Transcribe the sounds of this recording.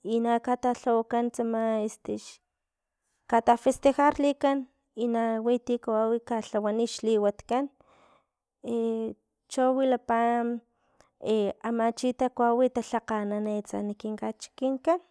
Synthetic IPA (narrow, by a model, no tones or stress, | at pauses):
inakat̪aɬawakant͡samaest̪iʃ | kat̪afest̪exaɾlikan | inawit̪ikawawikaɬawaniʃliwat̪kan | e | t͡ʃowilapam | eamat͡ʃit̪akwawit̪aɬaqananet͡sa̰nikiŋkat͡ʃi̥kiŋkan